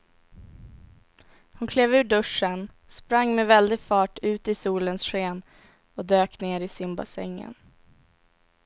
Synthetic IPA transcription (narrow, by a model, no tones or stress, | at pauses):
hʊnkʰleːvʉ̟ːɖɵʂən | spɾaŋːmɛvɛld̪ɪɡfɑːʈʉ̟ːt̪ɪsuːlənsɧeːn | ɔd̪øːkneːɾɪsɪnba̰sɛ̰ŋːə̰n